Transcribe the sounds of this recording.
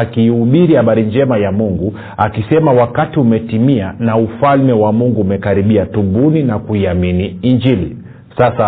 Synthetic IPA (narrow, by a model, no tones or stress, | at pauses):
akiːuɓiɾihaɓaɾiɲd͡ʒɛmajamuŋɡu | akisɛmawakatiumɛtimianaufalmɛwamuŋɡuːmɛkaɾiɓiatubuninakuiaminiːɲd͡ʒili | sasa